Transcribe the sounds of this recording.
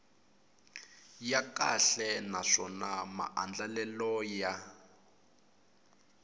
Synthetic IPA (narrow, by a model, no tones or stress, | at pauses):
jakaɬɛnaʂɔnama̰ʔand͡ɮalɛlɔja